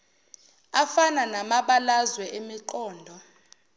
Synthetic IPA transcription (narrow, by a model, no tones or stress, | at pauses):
afananamaɓalazwɛʔemiǃɔːndʱɔ